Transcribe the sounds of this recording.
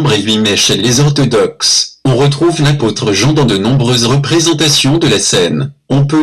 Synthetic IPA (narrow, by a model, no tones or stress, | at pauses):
bʁevɥimɛʃɛlezɔʁt̪ɔd̪ɔksɔ̃ʁət̪χuvlapot̪χəʒɑ̃d̪ɑ̃d̪ənɔ̃bʁøzʁəpχezɑ̃t̪asjɔ̃d̪əlasɛnɔ̃pø